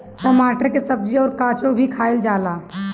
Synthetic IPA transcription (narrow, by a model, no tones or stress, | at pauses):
ʈəmaʈəɾkesəb̚d͡ʒiɔːɾkat͡ʃobʱikʰaild͡ʒala